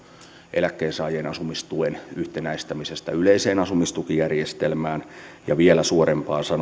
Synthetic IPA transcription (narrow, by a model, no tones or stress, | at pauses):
ʔelækːeːnsɑːjeːnɑsumist̪uenyht̪enæist̪æmisest̪æyleiseːnɑsumist̪ukijærjest̪elmæːnjɑʋielæsuoɾempɑːnsɑn